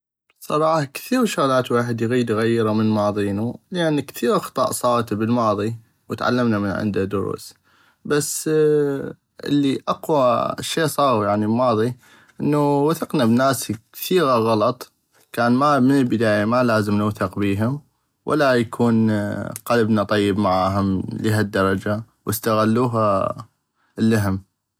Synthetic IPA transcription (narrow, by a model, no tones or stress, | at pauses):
sˤɑɾˤɑːħɑkθiːɾʃʊɣlaːt̪weːħɪd̪jɣiːd̪ɣajːɪɾamənmɑːðˤiːnuləʔanːkθiːɣxɑ̥t̪ˤɑ̰ːʔsˤɑːɾt̪bəlmɑːðˤi | wət̪ʕa̰lːamnamənʕɪ̰nd̪ad̪ʊɾṵːs | basː | ʔɪ̰lːiʔaqwaʃːeːsˤɑːɣujaʕnilmɑːðˤi | ʔənːuwaθɪqnabnaːskkθiːɣaɣɑlɑt̪ˤ | kaːnmamənəlbɪd̪aːjamalaːzəmnʊːθɪqbiːɦʊm | wʔa̰lajakʰuːnqalabnat̪ˤɑjːɪbmaʕaːɦʊmliːɦad̪ːɑɾˤɑd͡ʒa | wʔəst̪aɣalːuːɦa | lːaɦɪm